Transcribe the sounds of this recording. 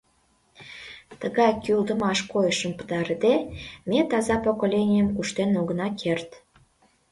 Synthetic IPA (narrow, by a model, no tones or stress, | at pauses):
t̪əɣɑjkyld̪əmɑʃkojəʃəmpə̥t̪ɑɾəd̪emʲet̪ɑzɑpokolʲenʲijəmkuʃt̪enoɣənɑkʰert̪